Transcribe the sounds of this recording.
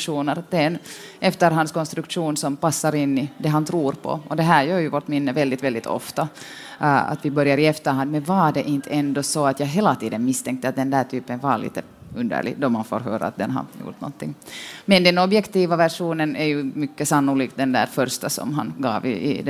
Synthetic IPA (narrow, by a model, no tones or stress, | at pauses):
ʂuːnəɾd̪̥ɛnɛft̪əɾɦanskɔnst̪ɾɵkʂuːnsɔmpasːaɾɪnːɪd̪ɛɦant̪ʰɾuːɾpʰɔ̰ɔd̪ɛɦæːɾjøːɾjʉvoːɾʈ̪mɪnːəvɛld̪ɪt̪vɛld̪ɪt̪ʰɔ̰ft̪a | a̰t̪vɪbœɾjaɾɪɛft̪əɾhand̪mɛnvɑdɛʔɪnt̪ʰɛnd̪ɔsɔat̪jɑːɡɦeːlat̪iːd̪ənmɪst̪ʰɛŋk̚t̪ːəat̪̚d̪ɛnd̪æːʈ̪ʰyːpənvɑɾɭḭːt̪ə | ʉnd̪ə̰ɭɪ̰ɡd̪ɔmanfo̰ːɾɦø̰ːɾa̰ːt̪̚d̪ɛ̰nɦa̰jṵːʈ̪nɔ̰nt̪ːɪŋːmɛnd̪ɛnɔbjɛkt̪iːvavæɾʂuːnənɛɾjʉmʏkːəsanːʊliːk̪̚d̪ɛnd̪æ̰ːɾfœɾst̪asɔ̰mɦanɡɑ̰ːvɪ̰ɪ̰d̪ɛ